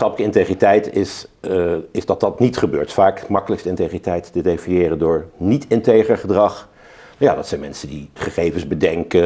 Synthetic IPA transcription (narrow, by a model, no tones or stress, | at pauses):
ɑpələkəɪntejχritɛjtɪs | ɪzdɑt̚dɑtnitχəbøːɹtfaːkmɑkələkstəɪntejχitɛjttədejfinjɪːrəndʊːɹnitɪntejχəχədrɑχ | ja̰ːdɑtsɛjnmɛnsədiχəχejvənzbədɛŋkə